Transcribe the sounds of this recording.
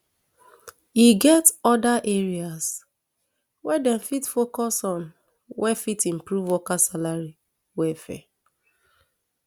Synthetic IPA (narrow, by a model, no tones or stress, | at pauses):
iɡɛtɔdaʔeɹias | wɛdɛnfitfokɔsɔ̃n | wɛfitĩm̩pɹuvwɔkasalaɹi | wɛfɛ̰